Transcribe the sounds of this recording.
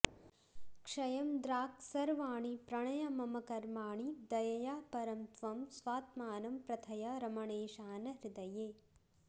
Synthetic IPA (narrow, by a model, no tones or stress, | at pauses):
kʂɐjɐmd̪ɾaːksɐɾʋaːɳipɾɐɳɐjɐmɐmɐkɐɾmaːɳid̪ɐjɐjaːpɐɾɐmt̪ʋɐmsʋaːt̪maːnɐmpɾɐt̪ʰɐjɐɾɐmɐɳeːʃaːnɐɾid̪ɐjeː